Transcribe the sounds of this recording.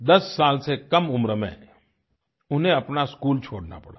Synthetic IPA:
d̪ɐsːaːlsekɐmʊmɾəmḛ̃ː | ʊnẽɐpnaskuːlt͡ʃʰoːɽna̰pɐɽaː

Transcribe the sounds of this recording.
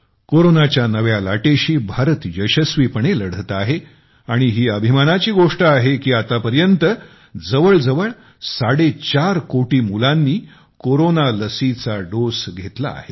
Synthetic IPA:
koɾonat͡ɕjanəʋjalaʈeɕiːbʱaɾət̪jəɕəsʋiːpəɳeləɽ̤ʱət̪aɦe | aɽ̃iɦiːəbʱimanat͡ɕiːɡoʂʈəaɦekiːat̪apəɾjənt̪ə | d͡zəʋəɭd͡zəʋəɭ | saɽet͡ɕaɾkoʈiːmulanːiː | koɾonaləsit͡saɖosɡʱet̪la̰ːɦe

